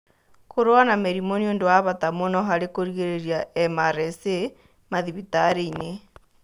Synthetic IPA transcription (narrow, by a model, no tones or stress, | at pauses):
koɾwanameɾimoniondowaβatamonɔɦaɾekoɾiɣeɾeɾiaɛmaɾɛse | maðiβitaɾeine